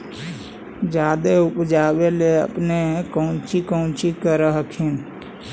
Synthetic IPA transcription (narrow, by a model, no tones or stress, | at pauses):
d͡ʒad̪eupd͡ʒabeleə̰pneɦkəʊ̃t͡ʃikəʊ̃t͡ʃikəɾəɦəkʰin